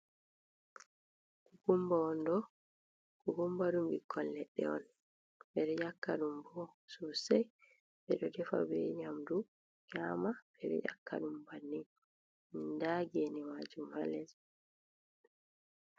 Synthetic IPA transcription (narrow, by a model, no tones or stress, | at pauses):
kuɡumbaɔndɔ | kuɡumbaɗumbḭkʰːɔlːɛɗːɛ̰ɔn | bɛɾɛjakːaɗumbɔsusaj | bɛɗɔdɛfa̰bɛ̰ɲamdu | ɲaːmabɛɾɛ̰ja̰kːa̰ɗumbanːi | nindaɡenimad͡ʒumha̰lɛz